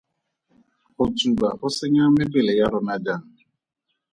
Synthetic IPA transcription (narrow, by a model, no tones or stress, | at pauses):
ot͡ʃubahʊsɪɲamebelejaɾʊnad͡ʒan̩